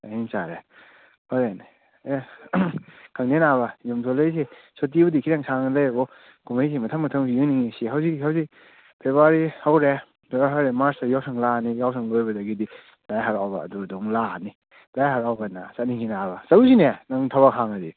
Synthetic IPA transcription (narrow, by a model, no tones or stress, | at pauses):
ahinsaɾe | hɔɾen | kʰaŋnenaβajumsʰɔlejs̬esot̬ibɐdikʰiɾaŋsʰaŋlajbɔ | ɡ̥umajs̬imɐtʰamɐtʰaŋsijɯniŋesiɦawzikhawzik̚ | pʰeβaɾihawɾe | dɔɾaɦawɾemaɾsajawsʰaŋlanijawsʰaŋlojbɐdaɡidi | d̥ajɦaɾawba̰ːdudɔŋlani | dajɦaɾawbana̰satnikʰinabɐsaɾusinenaŋtʰaβakhaŋadi